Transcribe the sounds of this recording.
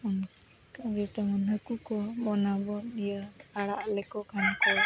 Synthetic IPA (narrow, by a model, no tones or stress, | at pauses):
ɔn | kaɡɛt̪ɛmɔnɦəkukɔbɔnabɔnijəaɽaʔlɛkɔkʰankɔ